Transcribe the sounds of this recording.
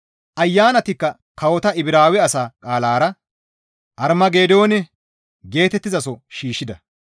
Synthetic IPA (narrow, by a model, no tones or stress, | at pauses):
ʔɐjːaːnɐt̪ɪkːɐ | kɐwɔt̪ɐɪbɪɾaːwɛɐsaːkʼaːlaːɾɐ | ʔɐɾmɐɡe̞ːd̪o̞ːnɛ | ɡe̞ːt̪ɛt̪ːɪzɐsɔʃiːʃːɪd̪ɐ